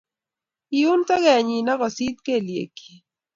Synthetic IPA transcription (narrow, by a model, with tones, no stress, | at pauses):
i˨u˦ntɔ˦ɡɛ˨ɲi˨na˦kɔ˨si˦t̪̚ke˦˨ljḛ˨ki̥˨